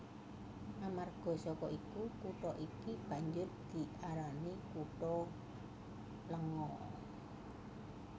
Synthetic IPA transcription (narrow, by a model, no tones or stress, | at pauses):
amarɡ̥ɔ̤sɔkɔʔikukuʈɔʔikib̥a̤ɲd͡ʒʊrd̪̥i̤ʔaɾanikuʈɔ | ləŋɔ